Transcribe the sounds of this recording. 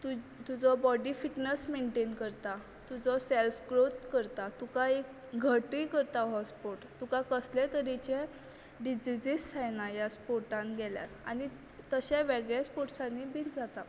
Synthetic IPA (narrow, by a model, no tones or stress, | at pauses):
t̪ut̪ud͡zɔbɔɖifiʈnəsmeɳʈenkəɾt̪a | t̪ud͡zɔselfɡɾot̪kəɾt̪at̪ukai | ɡʱəʈijkəɾt̪aɦɔspoɾʈt̪ukakəslɛt̪əɾit͡ɕe | ɖid͡ʑid͡ʑissʰajnajaspoɾʈãnɡɛlja̰ɾa̰ni | t̪əɕaʋəɡɭjaspoʈsãnːibintd͡zat̪a